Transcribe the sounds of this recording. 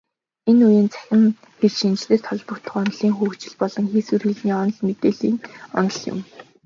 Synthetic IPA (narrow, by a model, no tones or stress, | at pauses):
enujeːnt͡sʰæ̥xʲɪ̆m | xeɮʃint͡ɕɮeːrt̪ʰɔɮpɞ̆kt̪ə̆χɔnɮiːŋxuːxt͡ɕɪ̆ɮpɔɮɞ̆ŋxiːsurxiɮniːɔnɞ̆ɮmet̪eːɮiːŋɔ̰nɞ̆ɮjʊ̰m